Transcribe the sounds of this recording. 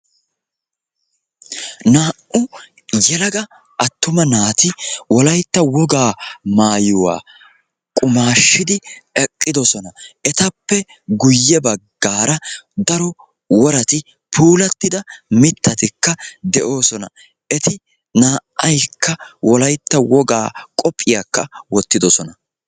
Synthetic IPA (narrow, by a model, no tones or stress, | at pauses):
naːʔʔʊ | jɛlɐɡɐ | ʔɐt̪ːʊmɐnaːt̪ɪwɔlɐjt̪ːɐwɔɡaːmaːjʊwa̰ː | kʼʊmaːʃːɪd̪ɪɛkʼːɪd̪ɔsɔnɐɛt̪ɐpːɛ | ɡʊjːɛbɐɡːaːɾɐd̪ɐɾɔ | wɔɾɐt̪ɪ | pʰuːlɐt̪ːɪd̪ɐmɪt̪ːɐt̪ɪkːɐd̪ɛʔo̞ːsɔnɐ̰ | ʔɛt̪ɪ | naːʔɐjkʰːɐwɔlɐjt̪ːɐwɔɡaːkʼɔpʼːɪjakːɐwɔt̪ːɪd̪ɔsɔnɐ